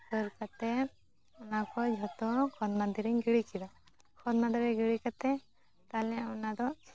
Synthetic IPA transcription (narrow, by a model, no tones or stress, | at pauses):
kəɾkat̪ɛ | ɔnakɔd͡ʒʱɔt̪ɔkʰɔd̪mad̪iɾiɲɡiɽikid̪a | kʰɔd̪nad̪iɾɛɡiɽikat̪ɛ | t̪alɛɔnad̪ɔ